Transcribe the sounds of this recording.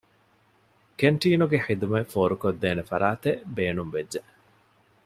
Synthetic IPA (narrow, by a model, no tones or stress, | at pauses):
keɳʈiːnuɡeħid̪umɐfoːɾukod̪ːeːnefɐɾaːt̪ebeːnumʋedːe